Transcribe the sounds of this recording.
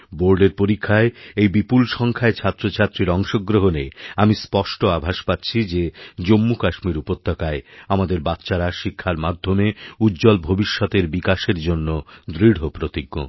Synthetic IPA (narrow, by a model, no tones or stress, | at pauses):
boɾɖeɾpoɾikʰːaeejbipulʃɔŋkʰaet͡ɕʰat̪ːɾot͡ɕʰat̪ːɾiɾɔŋʃoɡɾoɦoneamispɔʃʈoabʱaʃpatːɕʰid͡ʑed͡ʑomːukaʃmiɾupot̪ːakaeamad̪eɾbat̪ːɕaɾaʃikʰːaɾmad̪ʱːomeud̪d͡ʑolbʱobiʃːɔt̪eɾbikaʃeɾd͡ʑonːod̪ɾiɽ̤opɾot̪iɡːo̰